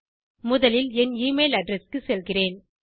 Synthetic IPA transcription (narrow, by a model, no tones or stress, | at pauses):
mʊðɐlɪlɛniːmeːlɐɖɾɛskɯsɛlɣɪreːn